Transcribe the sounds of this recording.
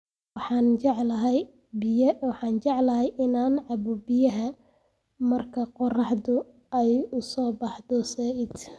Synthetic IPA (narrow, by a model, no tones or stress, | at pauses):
wɑħɑːnt͡ʃɛʕlɐɦɛj | bɪwɑħɑːnt͡ʃɛʕlɐɦɛjʔɪnaːnʕɑbɔbɪjɐɦɐ | mɐrkʰɐqɔrɑħdʊ | ɛjʊsɔːbɑħd̪ɔsɛːʔɪd̪